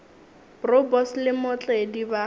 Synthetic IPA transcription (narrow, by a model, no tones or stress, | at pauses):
brɔbɔslɪmʊt͡ɬʼediba